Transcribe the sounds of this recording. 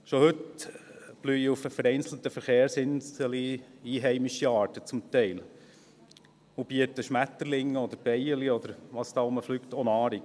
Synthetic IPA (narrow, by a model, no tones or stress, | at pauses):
ʃɔhɵt | b̥lyufəfəɾɛɪnsl̩t̪əfəɾχeːɾsɪnsəliiːɦɛɪmiʃiɑːɾtət͡sʊmt̪ɛɪl | ʊb̥iətəʃmæt̪ːəɾlɪŋːəɔd̪əɾb̥ɛɪəliɔd̪əɾʋɑːsd̥̪ɑːʊməflyːktɔnɑːɾik